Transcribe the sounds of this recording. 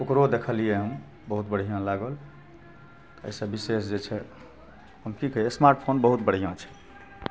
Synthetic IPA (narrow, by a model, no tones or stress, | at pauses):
okɾod̪ekʰəlijeɦəm | bəɦut̪bəɽ̤ijãlaɡəl | t̪ə̰jsəbisesd͡ʒet͡ʃʰɛ | ɦəmkikəɦjesmaɾʈpʰonbəɦut̪bəɽ̤ijãt͡ʃʰɛ̥